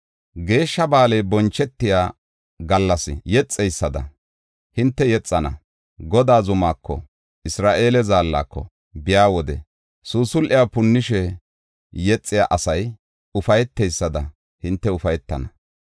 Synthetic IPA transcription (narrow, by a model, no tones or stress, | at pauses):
ɡe̞ːʃːɐbaːlɛjbɔnt͡ʃːɛt̪ːɪjaː | ɡɐlːɐsɪ̰jɛt͡sʼːɛjsːɐd̪ɐ̰ | hɪnt̪ːɛjɛt͡sʼːɐnɐ̰ | ɡɔd̪aːzʊmaːkʰːɔ̰ | ʔɪsɾaːʔe̞ːlɛzaːlːa̰ːkːɔ̰ | bɪjaːwɔd̪ɛ̰ | suːsʊlʔɪjapʊnːɪʃɛ | jɛt͡sʼːɪjaʔɐsɐj | ʊfɐjɛt̪ːɛjsːɐd̪ɐ | hɪnt̪ːɛʊfɐjɛt̪ːɐnɐ